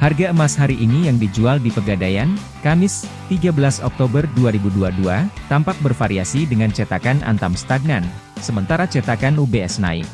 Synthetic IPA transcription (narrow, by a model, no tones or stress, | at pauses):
harɡaəmashaɾiʔinijaŋdid͡ʒualdipəɡadajan | kamɪst̪iɡabəlasɔk̚t̪obərduaɾibuduaduat̪ampak̚bərfaɾiasidəŋant͡ʃɛt̪akanʔa̰nt̪amst̪aɡ̚nan | səmənt̪aɾat͡ʃɛt̪akanubeɛsna̰ɪ̰